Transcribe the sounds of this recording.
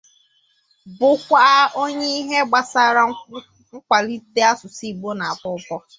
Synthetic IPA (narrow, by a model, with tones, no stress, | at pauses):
bʊ˨kʷa˦o˦ɲe˦i˦ɦe˦ɡ͡ba˨sa˦ɾa˦ | ŋ̩˦kʷa˨li˦te˦a˦sʊ˨si˦˨ɡ͡bo˦na˨a˨bʊ˦kɔ˦